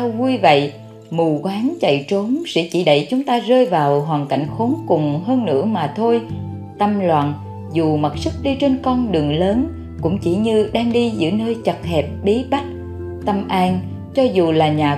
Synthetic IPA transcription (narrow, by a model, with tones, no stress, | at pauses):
a˧wvu˧jvə̰˧˨j | mu˨˩kwaː˨˦ŋt͡ɕə̰˧˨jt͡ɕo˨˦msɛ̰˧˥t͡ɕi˧˩ɗə̰˧˨jt͡ɕʊ˨˦ŋ͡mt̪aː˧zəː˧jvaː˨˩wɦwaː˨˩ŋka̰˧˩jŋ̟xo˨˦nkʊ˨˩ŋ͡mɦəː˧nːɨ̰˧˥əmaː˨˩t̪ʰo˧j | t̪ə˧mlwa̰ː˧˨n | zu˨˩mə˨˩t̚sɨ˦˥k̚ɗi˧t͡ɕe˧nkɔ˧nɗɨ˨˩əŋləː˨˦n | kʊ̰˧˥ŋ͡mt͡ɕi˧˩ɲɨ˧ɗaː˧ŋɗi˧zɨ̰˧˥nəː˧jt͡ɕə˨˩k̚hɛ˨˩p̚ɓi˨˦ɓa˦˥k̚ | t̪ə˧mʔaː˧n | t͡ɕɔ˧zu˨˩laː˨˩ɲaː˨˩